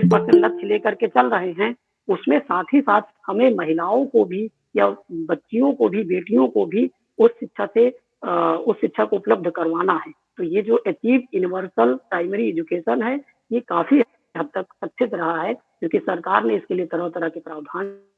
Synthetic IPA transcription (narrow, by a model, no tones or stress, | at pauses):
ɪspəɾsə̃ɳʈlɐt̪ːʃʰleːkəɾket͡ʃɐlɾəɦeɦɛ̃ | ʊsmẽsaːt̪ʰɦisaːt̪ʰhɐmẽmɐɦɪlaːõkobʱi | jabɐtːʃijõkobʱibeːʈijõkobʱi | ʊsʃɪt̪ːʃʰase | ʊsʃɪt̪ːʃʰakoʊpləb̚d̪ʱkɐɾʋaːnaɦɛː | t̪ojed͡ʒoːʔet̪iːpjunɪʋəɾsəlpɾaːɪməɾiɛːd͡ʒʊkeːʃənɦɛ | jekaːfʰiɦ | ɦət̪ːəksət̪ʰʃɪt̪ɾɐɦaɦɛ | d͡ʒoːkisɐɾkaːɾneɪskeliet̪ɐɾəɦt̪ɐɾəɦkepɾaːʋd̪ʱaːn